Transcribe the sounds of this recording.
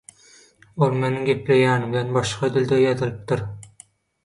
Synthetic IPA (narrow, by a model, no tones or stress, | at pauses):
olˠme̞niŋɡʲe̞ple̞jæːniβilʲenbɑʃqɑd̪ilʲd̪ejɑt̪ʰɯlˠɯp̚t̪ɯɾ